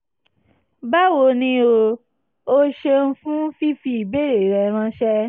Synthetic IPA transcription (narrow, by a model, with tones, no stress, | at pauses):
ba˦wo˧nĩ˧o˧ | o˦ʃe˧n̩˦fũ˦fi˦fi˧i˨be˦ɾe˨ɾɛ˧˨ɾ̃ã˧˦ʃɛ˦